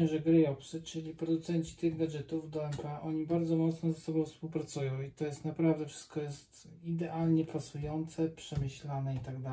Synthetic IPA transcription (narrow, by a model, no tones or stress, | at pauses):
ɛʐɛɡɾɘjɔpsɘt͡ʂɘlʲipɾɔd̪ut̪sɛɲt͡ɕi̥t̪ɘɣɡad͡ʑɛt̪ufd̪ɔɛmpɛʔɔɲibaɾd̪zɔmɔt̪snɔzɛsɔbɔ̃w̃fspuwpɾat̪sujɔ̃w̃it̪ɔjɛst̪napɾavd̪ɛfʂɘ̥st̪̚kɔjɛst̪ | id̪ɛʔalɲɛpasujɔnt̪sɛpʂɛmɘɕlanɛit̪aɡd̪a